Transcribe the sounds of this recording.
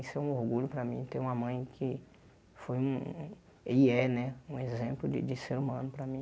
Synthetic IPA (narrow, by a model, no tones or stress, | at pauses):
sɛũoɾɡuʎʊpɾɐmĩt̪ẽj̃ũmɐmɐ̃j̃kʰɪ | fojũ | eɛnɛũezẽmplʊd͡ʒɪ̰d͡ʒɪseɾumɐ̃nʊpɾɐmĩ